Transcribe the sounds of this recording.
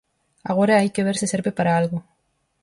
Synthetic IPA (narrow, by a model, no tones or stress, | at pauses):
aɣoɾaajkeβeɾsɪseɾbepaɾaalɣo